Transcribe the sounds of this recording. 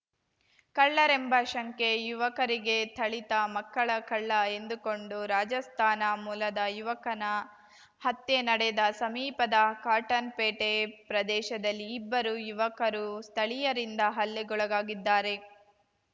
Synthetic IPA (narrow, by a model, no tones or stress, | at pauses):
kɐɭːɐɾembɐʃɐŋke̞juʋɐkɐɾiɡe̞t̪ʰɐɭit̪ɐmɐkːɐɭɐkɐɭːɐe̞nd̪uko̞ɳɖuɾaːd͡ʒɐst̪ʰaːnɐmuːlɐd̪ɐjuʋɐkɐnɐ | hɐt̪ːenɐɽed̪ɐsɐmiːpɐd̪ɐkaːɾʈɐnpeːʈepɾɐd̪ɛːʃɐd̪ɐlːiːbːɐɾujuʋɐkɐɾust̪ʰɐɭijɐɾind̪ɐɦɐlːeɡɔɭɐɡaːɡid̪ːaːɾe̞